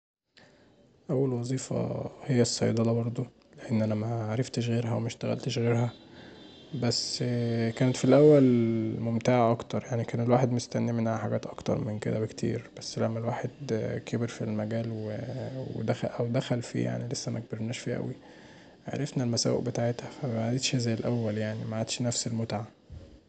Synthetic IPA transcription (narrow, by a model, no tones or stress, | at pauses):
ʔæwːælwɑzˤiːfɑ̰hejːæsˤːɑjd̪ˤɑlɑbɑɾˤd̪ˤo | leʔenːʔænæmæʕaɾˤɑft̪eʃ̬ɣeːɾɦæwemæʃt̪æɣæ̰lt̪eʃɣeːɾhæ | bæsːkæːnet̪filʔæwːælmomt̪aːʕaʔɑkt̪ɑɾˤjaʕnikæːnelwaːħed̪most̪ænːimenʕaħaɡæːt̪ʔɑkt̪ɑ̰ɾˤmenked̪æwekt̪ʰḭːɾb̥æsːlæmːælwaːħed̪kʰebeɾfilmæɡæːlwewḛd̪æxæʔæwd̪æxælfḭja̰ʕnilesːæmʔæk̚beɾnæːʃfiʔæ̰wi | ʕa̰ɾˤefnælmæsæ̰wḛʔbet̪aʕet̪hæfæbʕad̪et̪ʃhæzæjelʔæwːæljaʕnimæʕd̪ʃnæfselmot̪ʕa